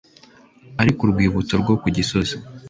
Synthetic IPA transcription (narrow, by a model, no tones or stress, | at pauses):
aɾikuɾɡwiːβutoɾɡo̞kuɟisoze